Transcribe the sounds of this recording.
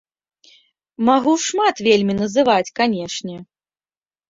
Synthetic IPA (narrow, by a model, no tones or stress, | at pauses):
maɣuʂmat̪vʲelʲmʲinɐzɨvat͡sʲkanʲɛʂnʲɛ